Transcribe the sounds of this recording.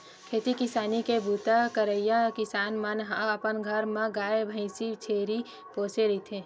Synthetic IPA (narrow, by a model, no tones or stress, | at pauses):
kʰeːt̪ikɪsaːnikebʱuːt̪akəɾəɪjakɪsaːnmənɦaəpənɡʱəɾmẽɡaːebʱə̃ɪsit͡ʃʰeːɾi | poːseɾɐit̪ʰẽː